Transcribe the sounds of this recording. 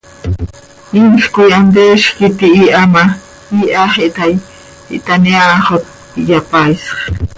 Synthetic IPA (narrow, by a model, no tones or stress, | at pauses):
inɬkujand̪eːʃkit̪iiʔama | iʔaχeʔt̪aj | ḭʔt̪aniaχot̪ | japajsχ